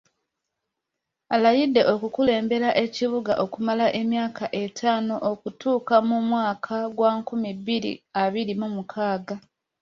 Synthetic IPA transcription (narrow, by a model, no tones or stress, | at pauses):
alajidːe̞ʔo̞kukule̞ːmbe̞ɾaʔe̞ciβuɡa̰ʔo̞kumalaʔe̞mjaːkaʔe̞tʰaːno̞ʔokutuːkamumwaːkʰaɡwaːkumibiɾḭaβiɾimumukʰaːɡa